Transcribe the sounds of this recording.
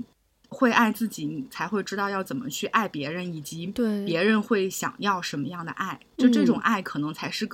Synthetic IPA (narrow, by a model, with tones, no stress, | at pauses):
xwe˥˧ɪʔa˥˧ɪt͡sɹ̩˥˩t͡ɕi˨˩n˨˩t͡sʰa˧˥ɪxwe˥˧ɪʈ͡ʂɻ̩˥t̪ɑ˥˧ʊjɑ˥˩ʊt͡sə˨˩nmə̰˦t͡ɕʰy˥˧ʔa˥˩ɪpjɛ˧˥ɻə˧˥ni˨˩t͡ɕi˧˥˩pjɛ˧˥ɻə˧˥nxwe˥˩ɪɕjɑ̰˨˩ŋjɑ˥˩ʊʂə˧˥nmə˧jɑ˥˩ŋd̪ə̰˩ʔa˥˩ɪt͡ɕo˥˧ʈ͡ʂɤ˥˩ʈ͡ʂʊ˨˩ŋʔa˥˩ɪkʰɤ˨˩nɤ˧˥ŋt͡sʰa˧˥ɪʂɻ̩˥˩k